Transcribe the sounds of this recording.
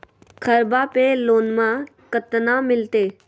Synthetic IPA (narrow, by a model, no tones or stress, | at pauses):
kʰəɾbaːpeloːnmã | kət̪nãmɪlt̪eː